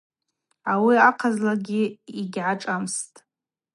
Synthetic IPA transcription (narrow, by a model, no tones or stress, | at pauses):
awiaqʰazlaɡʲiiɡʲʕaʈ͡ʂʼamstʼ